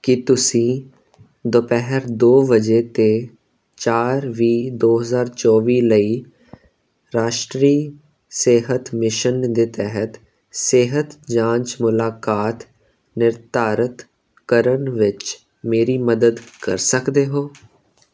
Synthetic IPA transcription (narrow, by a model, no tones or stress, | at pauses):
kɪt̪ʊsĩː | d̪opɛɦəɾd̪oːʋəd͡ʒeːt̪eː | t͡ʃaːɾʋiːd̪oːɦəzaːɾt͡ʃɔːʋiːləiː | ɾaːʃʈɾiː | seːɦət̪mɪʃənd̪eːt̪ɛɦət̪ | sɪɦət̪d͡ʒãːɲt͡ʃmʊlaːkaːt̪ | nɪɾt̪aːɾət̪ | kəɾənʋɪt͡ʃ | meːɾiːməd̪əd̪kə̰ɾsəkd̪eːɦoː